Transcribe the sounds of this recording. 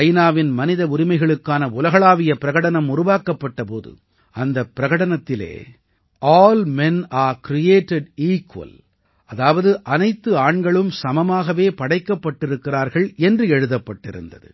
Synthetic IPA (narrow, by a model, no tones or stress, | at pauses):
ɐjnaːʋɪnmɐnɪðɐʊɾɪmɐɪɣɐɭɯkːaːnɐʊlɐɣɐɭaːʋɪjɐpɪɾɐɣɐɽɐnɐmʊɾʊʋaːkːɐpːɐʈːɐpo̰ːðɯ̰ | ɐnd̪ɐpːɪɾɐɣɐɽɐnɐt̪ːɪlḛː | ʔaːlmɛnaːɾkɾɪjeːʈɛɖiːkwɐ̰l | ʔɐðaːʋɐðɯʔɐnɐɪt̪ːɯaːɳɡɐɭɯmsɐmɐmaːɣɐʋeːpɐɽɐɪkːɐpːɐʈːɪɾɯkːɪraːɾɣɐɭɛndrɯɛɻɯðɐpːɐʈːɪ̰ɾɯ̰nd̪ɐðɯ̰